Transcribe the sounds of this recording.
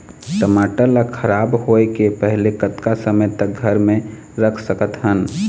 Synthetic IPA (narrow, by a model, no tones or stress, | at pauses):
ʈəmaːʈələkʰəɾaːbɦoːekepɛɦlekət̪kasəməjt̪ək̚ɡʱəɾmẽ | ɾəkʰsəkət̪ɦən